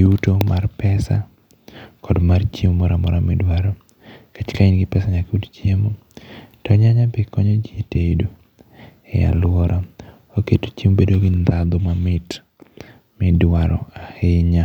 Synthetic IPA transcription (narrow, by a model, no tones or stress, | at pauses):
utomarpɛsa̰ | kɔdmart͡ʃimːɔɾamɔɾamɪdwaɾɔ | kat͡ʃkainɡɪpɛsaɲakutt͡ʃiemo | tɔɲaɲapɪkɔɲod͡ʒieteidu | ɛa̰lwɔɾa | oketo̥t͡ʃimbedoɡɪnd̪ad̪omamɪt | mɪdwaɾɔ̰ahɪɲa